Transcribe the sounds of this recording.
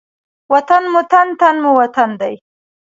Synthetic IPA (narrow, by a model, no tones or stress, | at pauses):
wat̪anmʊt̪ant̪anmuwat̪and̪aj